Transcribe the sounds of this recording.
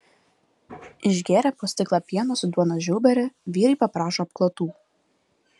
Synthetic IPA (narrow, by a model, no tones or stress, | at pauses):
ɪʒʲɡʲeːɾʲæːpoːsʲt̪ʲɪklˠɑpʲiɛnoːsʊd̪uɔnɐʒʲuːbʲɛɾʲɛʋʲiːɾʲɐɪpɐpɾɑːʃoːɐp̚klˠoːt̪uː